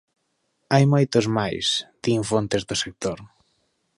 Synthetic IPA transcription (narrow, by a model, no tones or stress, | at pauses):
ajmojt̪ozmajsd̪̥iɱfont̪ezðʊsek̚t̪oɾ